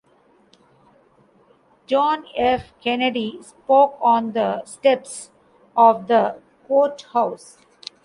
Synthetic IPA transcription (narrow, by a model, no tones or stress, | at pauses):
d͡ʒɔ̃ːnefkɛneɖispoːkɔ̃ːnd̪əsʈɛps | ɔːʋd̪ə | koːʈhaʊs